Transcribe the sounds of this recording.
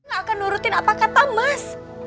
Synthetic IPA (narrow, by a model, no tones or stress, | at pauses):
ŋaːkanuɾut̪ɪnapakat̪amas